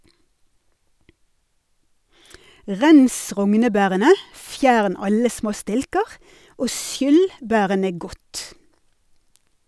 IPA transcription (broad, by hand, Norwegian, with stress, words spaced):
ˈʁɛns ˈʁɔŋnəˌbæːʁənə ˈfjæːɳ ˈɑlə ˈsmoː ˈstɪlkəʁ ˈoː ˈʃjʏl ˈbæːʁənə ˈɡɔt